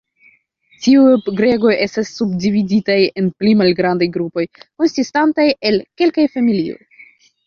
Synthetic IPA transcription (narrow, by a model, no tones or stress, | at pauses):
tiujɡɾe̞ɡo̞je̞stasːubdividitaje̞nplimalɡɾandajɡɾupo̞jko̞nsistantaje̞lke̞lkajfamilio̞̰j